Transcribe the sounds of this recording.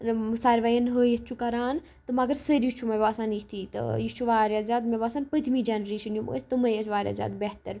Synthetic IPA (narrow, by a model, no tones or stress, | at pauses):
mʊsaːɾʋajɐnɦəjet͡ʃʰukɐɾaːn | t̪ɐmɐɡɐɾsəɾjit͡ʃʰumɐbaːsaːnikt̪ʰiːt̪ɐ̰jit͡ʃʰuʋaːɾjaːzʲaːd̪mebaːsaːnpɐd̪ʱmiːd͡ʒaːnɾeːʃɐnjumt̪umɐjet͡ʃʋaːɾʲja̰ːzʲa̰ːd̪beɦt̪əɾ